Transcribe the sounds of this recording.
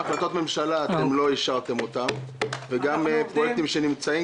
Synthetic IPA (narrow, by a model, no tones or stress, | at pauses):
χlat̪o̞t̪me̞mʃalaːt̪e̞mlo̞iʃaʁt̪e̞mo̞t̪amveɡampʁojek̚t̪imʃe̞nimt͡sai